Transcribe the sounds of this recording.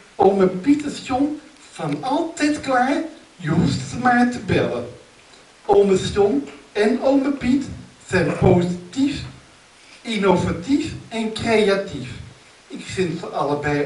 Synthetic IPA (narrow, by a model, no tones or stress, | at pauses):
ɔməpitəsjɔŋ | v̥ɑnɑlˠtɛjtklaːɹ | jəɦusttəmaːɹtəbɛlən | ʔoməsjɔmɛnoməpit | z̥ɛjnpozitif | inovatifɛnkrejatif | ɪkfɪnfəɑləbɛj